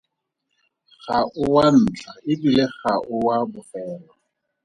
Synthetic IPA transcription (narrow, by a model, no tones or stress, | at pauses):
χaʊwan̩ːt͡ɬʰaɪbileχaʔʊwabʊfɛːlɔ